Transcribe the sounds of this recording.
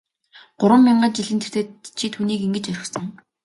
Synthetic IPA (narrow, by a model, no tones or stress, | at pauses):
ɢ̥ʊɾwə̆mːiɴɢănt͡ɕiɮɘ̆nt̪ʰe̥r̥t̪eːt̪t͡ɕʰit̪ʰxuːniːkiŋɡɘ̆t͡ɕœɾʲɪ̆xsə̆ŋ